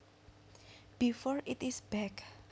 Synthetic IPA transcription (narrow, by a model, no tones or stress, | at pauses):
b̥ifɔɹitisbɛk